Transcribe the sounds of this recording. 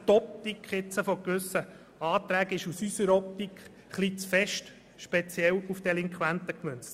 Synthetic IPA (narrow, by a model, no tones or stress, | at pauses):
t̪ɔp̚t̪ikχɪt͡səfɔkʋɵsə | ɑːt̪ɾæːɡɪʃusysəɾɔp̚t̪ikχ | χlit͡sfɛʃt | ʃpɛt͡sjɛlufd̥ɛliŋkχwænt̪əkmʏnt͡st